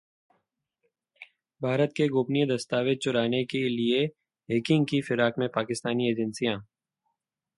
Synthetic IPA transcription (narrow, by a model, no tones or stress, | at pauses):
bʱaːɾət̪̚keɡʊːpnijẽd̪ɐst̪aːʋɪd̪̚t͡ʃʊɾaːnekelie | ɦeːkɪ̃ŋɡkifɪɾaːkmẽpaːkɪst̪aːnieːd͡ʒənsijãː